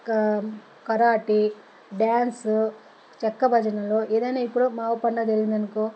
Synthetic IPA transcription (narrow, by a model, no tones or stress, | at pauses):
k | kɐɾaːʈi | ɖjaːns | t͡ʃɛkːɐbʱɐd͡ʒɐnɐlo̞ːʔeːd̪ɐjnaːipːuɽumaːʋupɐɳɖɐd͡ʒɐɾɡind̪ɐnɐku